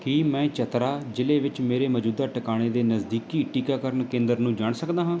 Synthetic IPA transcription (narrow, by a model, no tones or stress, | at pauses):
kiːmɛ̃ːt͡ʃət̪ɾaːd͡ʒɪleːʋɪt͡ʃmeːɾeːməd͡ʒuːd̪aːʈəkaːɽ̃eːd̪eːnəzd̪iːkiːʈiːkaːkəɾəɳkẽːnd̪əɾnũːd͡ʒaːɳsəkd̪aːɦãː